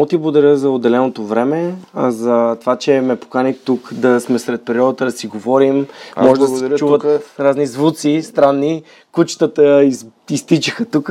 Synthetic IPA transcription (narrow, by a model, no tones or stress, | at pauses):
ɡt̪iblɡod̪ɐɾʲjəzɐod̪ːɛlɛnot̪ovɾɛmɛzɐt̪ovat͡ʃɛmɛpo̥kanit̪ukd̪ɐsmɛsɾɛt̪̚pɛɾiɔd̪ət̪əd̪ɐsiɡovɔɾimmɔʒɛd̪ɐsɛt͡ʃuvəɾaznizvut̪sist̪ɾanːi | kut͡ʃt̪ət̪əiist̪it͡ʃəxət̪uk